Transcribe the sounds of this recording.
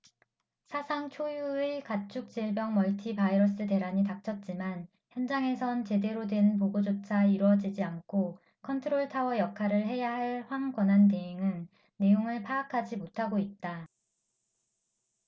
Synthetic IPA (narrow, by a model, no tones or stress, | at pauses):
sʰasʰaŋt͡ɕʰojuekat͡ɕʰuk̚t͡ɕ͈iɭbjʌŋmʌɭtʰipaiɾʌs͈ɯte̞ɾaɲitak̚t͡ɕʰʌt̚t͡ɕ͈iman | çjʌnd͡ʑaŋe̞sʰʌnt͡ɕe̞de̞ɾodwe̞nnpoɡod͡ʑot͡ɕʰaiɾwʌd͡ʑid͡ʑiankʰo | kʰʌntʰɯɾoɭtʰawʌjʌkʰaɾɯɭɦe̞jaɦaɭɸwaŋɡwʌnɦanteeŋɯnː | e̞joŋɯɭpʰaːkʰad͡ʑimotʰaɡoit̚t͈a